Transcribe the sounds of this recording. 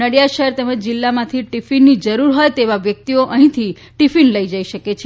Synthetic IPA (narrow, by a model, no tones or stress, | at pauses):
əɽijaʃəɦɛɾt̪ɛməd͡ʒd͡ʒɪlːamãt̪ʰiʈifinːid͡ʒəɾuɾɦojt̪eʋaʋjək̚t̪ioʔəɦĩt̪ʰi | ʈifinləid͡ʒaiʃəket͡ʃʰe